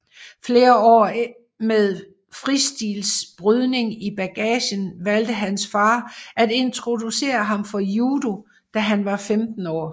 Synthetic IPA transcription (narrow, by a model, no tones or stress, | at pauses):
fle̝ːɐɒ̰ː | meðˠ | fʁisd̥iːlsb̥ʁyð̞ˠne̝ŋib̥æɡ̥ɛ̰ːɕənʋæld̥əɦænsfɑ̈ːæde̝nt͡sʰʁo̝d̥use̝̰ːɐɦɑ̈mfɒ̽juːd̥o̝ | d̥æɦænʋɑ̈femd̥n̩ɒ̰ː